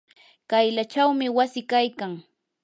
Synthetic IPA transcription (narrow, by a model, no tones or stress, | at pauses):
kajlat͡ʃawmɪwasɪkajkaŋ